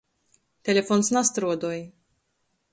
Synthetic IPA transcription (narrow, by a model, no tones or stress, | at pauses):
t̪elefonsnast̪ɾuad̪oj